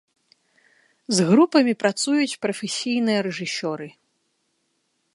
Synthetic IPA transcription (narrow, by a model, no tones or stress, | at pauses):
zɣɾupɐmʲipɾat̪sujut͡sʲpɾɐfʲɛsʲijnɨjɐɾɛʐɨsʲɔɾɨ